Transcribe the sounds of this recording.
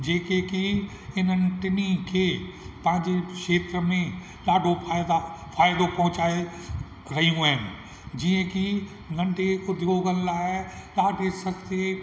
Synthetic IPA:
d͡ʒeːkeki | ɪn̤ənɪ̆ʈɪnikʰeːpɐ̃ɦɪ̃ɲd͡ʒeʃeːt̪ɾəmẽ | laːɖʱopʰaːjd̪afʰaːjd̪opɐ̃ɦʊ̃t͡ʃaːe | ɾɐɦijũɛɦnɪ | d͡ʒiə̃ki | ɡʱɐ̃ɳɖeʊd̪joːɡənlaːɦɛlaːɖʱesɐst̪e

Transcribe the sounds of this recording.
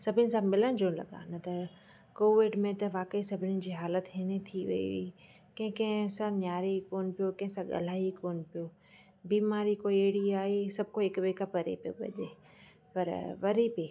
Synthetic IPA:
sɐbʱɪnɪ̆sãmɪləñd͡ʑoːlɐ̰ɠa̰nɐt̪ɐ | koːʋɪɖmẽt̪ɐʋaːkəisɐbʱɪnɪn̆d͡ʑiːɦaːlət̪ɦenet̪ʰiʋɐ̰ḭʋi | kɐ̃ɦɪ̃kɐ̃ɦɪ̃sãnjaːɾekoːnpijokɐ̃ɦɪ̃sãɠɐ̰l̤aːikoːnpijoː | biːmaːɾikoeɽiaːisɐb̚ʱkoɪkʋeːkapɐɾḛpijo̰bɐ̰ʄḛː | pɐɾʋɐɾipi

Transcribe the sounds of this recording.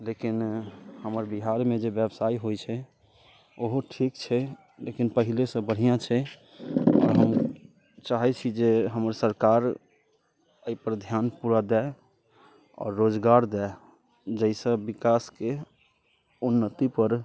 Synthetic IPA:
lekinhəməɾbiɦaɾmed͡ʒebjəbsaiɦojt͡ʃʰɛ | oɦoʈʰikt͡ʃʰɛ | lekinpəɦilesə̃bəɽ̤ijãt͡ʃʰɛ | ɔ̰ːɾɦəm | t͡ʃaɦɛt͡ʃʰid͡ʒeɦəməɾsəɾkaɾ | əipəɾd̪ʱjanpuɾad̪ɛ | ɔ̰ːɾːod͡ʒɡaɾd̪ɛɪ | d͡ʒəisə̃bikaske | unːət̪ipəɾ

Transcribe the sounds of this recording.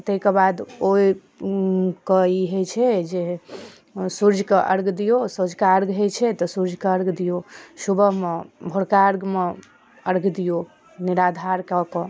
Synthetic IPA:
t̪əɦikebad̪oi | kəiɦət͡ʃʰɛd͡ʒe | suɾd͡ʒʱkeʔəɾɡd̪ijosod͡ʒkaəɾɡɦet͡ʃʰɛt̪ɔsuɾd͡ʒʱkeəɾɡd̪ijosubəɦmebʱoɽkaɾɡme | əɾɡd̪ijo | niɾad̪ʱaɾkakɔ

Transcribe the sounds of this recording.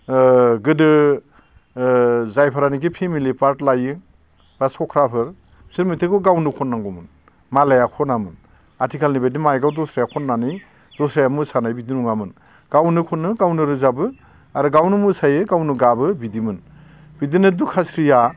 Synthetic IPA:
ɡɯdɯ | zajpʰaɾanik̬ipʰemilipaɾtlajɯŋ | b̥asɔkʰɾapʰɯɾ | siɾmitʰɯkɯɡawnɯkʰɔnːaŋɡɔmɯn | malajakʰɔnamɯn | atʰikʰalnibajdimajɡawdɔsɾajakʰɔnːanɯj | d̥ɔsɾajamɯsanajbidinuŋamɯn | ɡ̥awnɯkʰɔnːɯɡawnɯɾɯzabɯ | aɾɯɡawnɯmɯsajɯɡawnuɡabɯbidimɯn | bidinɯdukʰasɾija

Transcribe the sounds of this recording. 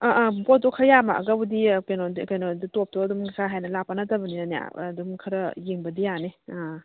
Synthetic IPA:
aʔbot̚ːɔkʰɐjama̰ʔɐ̰ɡɐwdikejnokajnoditop̚tɔɐdumʰsʰaɦajnɐlapːanɐtɐbɐninɐnja̰dumkʰɐɾɐjeŋbɐdijanea

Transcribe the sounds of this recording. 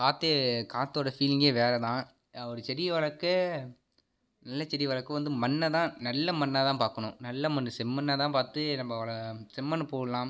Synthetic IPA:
kaːt̪ːekaːt̪ːoːɽɐfiːlɪŋɡeːʋeːɾɛt̪ãː | ɔɾɯt͡ʃɛɾɪjɐʋɐɭɐkːɯ | nɐlːɐt͡ʃɛɾɪjɐʋɐɭɐkːɯʋɐnd̪ɯmɐnːɐt̪ãːnɐlːɐmɐnːaːt̪ãːpaːɾkɐɳʊ̃nɐlːɐmɐnːɯsɛmːɐnːat̪ãːpaːɾt̪ɯnɐmːɐɐlɐsɪmːɐnpoːɐlãːm

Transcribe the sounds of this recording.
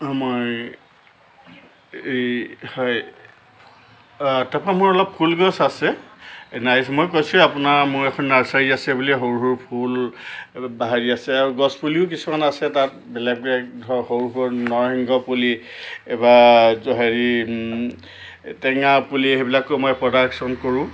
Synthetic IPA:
moj | hɔj | tapɹamuɹɔlɔpʰulɡɔsasɛ | najsmojkojsʊ̃apunaɹmʊɹɛkʰɔnːaɹsaɹiasɛbuliɦoɹɦuɹpʰul | baɦaɹiasɛaɹuɡɔspuliʊk̬isumanasɛtat̚ | bɛlɛɡ̚ɛɔhoɹɦuɹnɔɹɦiŋɡɔpuli | ebazɔɦaɹi | tɛŋapulihebilakomojpɹɔdaksɔnkoɹʊ̃

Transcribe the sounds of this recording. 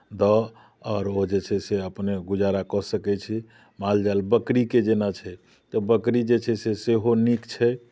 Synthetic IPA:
d̪ɔ | ɔːɾod͡ʒet͡ʃʰɛseəpneɡud͡ʒaɾakɔsəkɛt͡ʃʰi | mald͡ʒaelbəkɾiked͡ʒenat͡ʃʰɛ | t̪ɔbəkɾid͡ʒet͡ʃʰɛseseɦonikt͡ʃʰɛ

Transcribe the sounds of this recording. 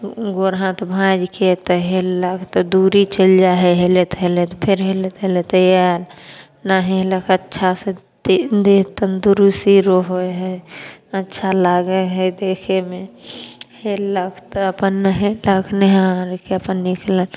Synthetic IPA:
ɡoɾɦãt̪ɔbʱãd͡ʒket̪ɔɦelləkʰt̪ɔd̪uɾit͡ʃəld͡ʒaɦeɦelet̪ɦelet̪ɔpʰɪɾɦelet̪ɦelet̪əjaɾ | naɦeləkʰətːʃʰase | d̪et̪ənd̪uɾusiɾoɦoɦɛətːʃʰalaːɡeɦɛd̪eːkʰeme | heləkʰt̪ɔəpənːəɦeləkʰneɦaɾkeəpənːikʰlən

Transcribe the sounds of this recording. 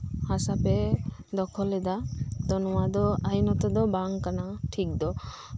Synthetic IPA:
hasapɛd̪ɔkʰɔlːɛd̪at̪ɔnɔwad̪ɔajnɔt̪ɔd̪ɔbaŋkanaʈʰik̚d̪ɔ

